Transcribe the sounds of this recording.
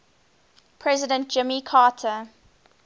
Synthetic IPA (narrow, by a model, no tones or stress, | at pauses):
pʰɹɛzɪdə̃nt̚d͡ʒ̥ɪmikʰaːtʰə